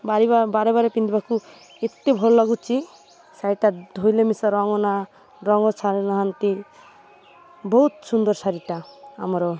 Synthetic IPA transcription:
baɾibabaɾebaɾepind̪ibaku | et̪ːebʱɔlɔlɔɡut͡ʃʰi | saɾiʈad̪ʱojlemisɔɾɔŋɔna | ɾɔŋɔt͡ʃʰaɾnaɦant̪i | bɔɦut̪sund̪ɔɾsaɾiʈaa̰mɔɾɔ

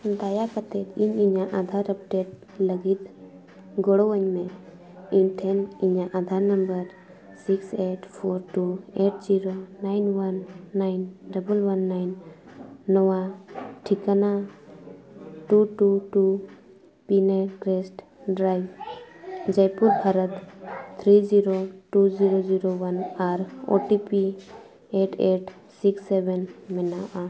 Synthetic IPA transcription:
d̪ajakat̪ɛt̪iɲiɲaʔad̪ʱaɾəp̚ʈeʈ̚ | ləɡit̪ | ɡɔɽɔwəɲmɛ | iɲʈʰɛniɲaʔad̪ʱaɾnəmbəɾ | sikseʈpʰɔɾʈueʈ̚d͡ʒiɾonajnwanːajnɖəbəlwanːajnː | ɔwaʈʰikana | ʈuʈuʈu | pinekɾesʈ | ɖɾajb | d͡ʒəjpuɾbʱaɾət̪t̪ʰɾid͡ʒiɾoʈuziɾoziɾowanaɾo̰ʈipi | eʈʰeʈ | siksːebenmɛnaʔa

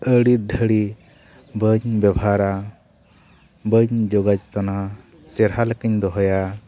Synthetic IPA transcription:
əɽit̪̚d̪ʱəɽi | bəɲbɛbʱaɾa | bəɲd͡ʒɔɡad͡ʒt̪ɔna | sɛɾɦaləkəɲd̪ɔɦɔja

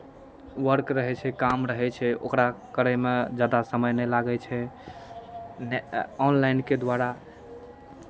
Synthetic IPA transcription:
ʋəɾkɾəɦɛt͡ʃʰɛkamɾəɦɛt͡ʃʰɛo̰kɾakəɾɛmed͡ʒad̪asəməjnɛlaɡɛt͡ʃʰɛ | nɔnlajnked̪waɾa

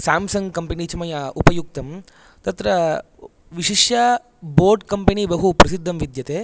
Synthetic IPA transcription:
saːmsɐŋɡkɐmpɐnit͡ʃɐmɐjɐupɐjuk̚t̪ɐm | t̪ɐt̪ɾɐ | ʋiʃiʂjɐ | boːɾɖkɐmpɐnibɐɦupɾɐsid̪ʱːɐmʋid̪ʱjɐt̪eː

